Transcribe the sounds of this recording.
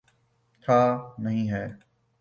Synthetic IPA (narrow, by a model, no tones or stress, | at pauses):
t̪ʰaːnəɦĩːɦɛː